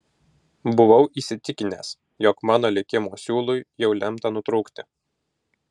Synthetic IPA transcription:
bʊʋɐʊʔiːsʲɪt̪ʲɪkʲɪnʲeːs | jɔkmɑːnoːlʲɪkʲɪmuːsʲuːlˠʊjjɛʊlʲɛmˑt̪ɐnʊt̪ɾʊːkt̪ʲɪ

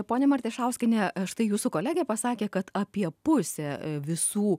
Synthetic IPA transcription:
poːnʲɛmɐɾʲt̪ʲeːʃɐʊsʲkʲɪnʲɛʃt̪ɐɪjuːsʊkoːlʲæːɡʲeːpɐsɑːkʲeːkɐt̪ɐpʲiɛpʊsʲɛːʋʲɪsuː

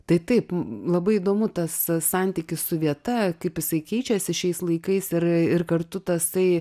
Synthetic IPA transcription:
t̪ɐɪt̪ɐɪplˠɐbɐɪid̪oːmʊt̪ɐssɑnʲt̪ʲikʲɪssʊʋʲiɛt̪ɐkɐɪpjɪsɐɪkʲɛɪt͡ʃʲɛsʲɪʃʲɛɪslˠɐɪkɐɪsɪrɪrkɐrt̪ʊt̪ɐsɐɪ

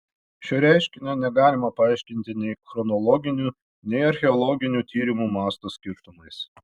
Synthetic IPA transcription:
ʃʲɛɾʲæˑɪʃʲkʲɪnʲonʲɛɡɑːlʲɪmɐpɐɑˑɪʃʲkʲɪnʲt̪ʲɪnʲɛɪxɾɔnɔlˠɔɡʲɪnʲuː | nʲɛɪɐɾʲxʲɛɔlˠɔɡʲɪnʲuːt̪ʲiːɾʲɪmuːmɑːst̪oːsʲkʲɪɾt̪ʊmɐɪs

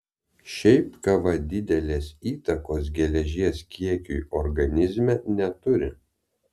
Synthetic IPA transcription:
ʃʲɛɪpkɐʋɐd̪ʲɪd̪ʲɛlʲeːsiːt̪ɐkoːs̬ɡʲɛlʲɛʒʲiɛskʲiɛkʲujɔɾɡɐnʲɪzʲmʲɛnʲɛt̪ʊɾʲɪ̰

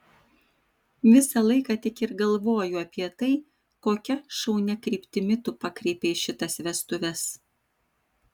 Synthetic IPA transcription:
ʋʲɪsɐlˠɐɪkɑt̪ʲɪkɪɾɡɐlˠʋoːjʊɐpʲiɛt̪ɐɪ | koːkʲɛʃɐʊnʲɛkɾʲiːpʲt̪ʲɪmʲɪt̪ʊpɑkɾʲɛɪpʲeɪʃʲɪt̪ɐsʋʲɛst̪ʊʋʲɛs

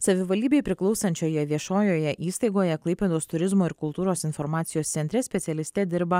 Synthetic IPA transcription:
sɐʋʲɪʋɐlʲd̪ʲiːbʲeɪpʲɾʲɪklˠɒʊsɐnʲt͡ʃʲoːjɛʋʲiɛʃoːjoːjɛʔiːst̪ɐɪɡoːjɛklˠɐɪpʲeːd̪oːst̪ʊɾʲɪzmoːɪɾkʊlˠt̪uːɾoːsɪnfɔɾmɑːt̪sʲɪjoːst̪sʲɛnʲt̪ʲɾʲɛsʲpʲɛt̪sʲɛlʲɪst̪ʲɛd̪ʲɪɾbɐ

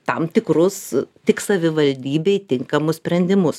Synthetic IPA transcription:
t̪ɐmt̪ʲɪkɾʊst̪ʲɪksɐʋʲɪʋɐlʲd̪ʲiːbʲɛɪt̪ʲɪŋkɐmʊssʲpʲɾʲɛnʲd̪ʲɪmʊs

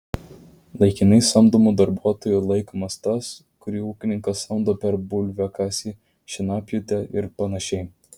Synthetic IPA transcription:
lˠɐɪkʲɪnɐɪsɐmd̪omud̪ɐɾbuɔt̪oːjuːlˠɐɪkomɐst̪ɐs | kʊɾʲiːuːkʲɪnʲɪŋkɐsɐmd̪oːpʲɛɾbʊlʲʋʲɛkɑːsʲi | ʃʲɪnɑːpʲjʊt̪ʲɛʔɪɾpɐnɐʃʲɛɪ

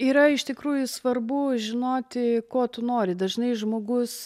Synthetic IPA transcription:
iːɾɐɪʃt̪ʲɪkɾuːjʊsʋɐrbʊʒʲɪnoːt̪ʲɪkoːt̪ʊnoːɾʲɪd̪ɐʒnɐɪʒmoːɡʊs

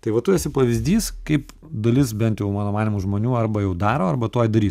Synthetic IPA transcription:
t̪ɐɪʋɐt̪ujɛsʲɪpɐʋʲɪzʲd̪ʲiːskɐɪp | d̪ɐlʲɪs̬bʲɛnt̪jɛʊmɑːnoːmɑːnʲimuːʒmoːnʲuːɐrbɐjɛʊd̪ɑːɾoːɐrbɐt̪oːjd̪ɐɾʲiːs

